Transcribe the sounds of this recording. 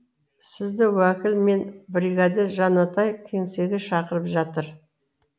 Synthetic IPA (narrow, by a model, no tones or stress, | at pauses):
sɪzd̪ɪwækʲɪlme̞nbɾiɡɑd̪eʒɑnɑt̪ɑjkʲʰe̞ŋse̞ɡʲɪʃɑqəɾəpʒɑt̪əɾ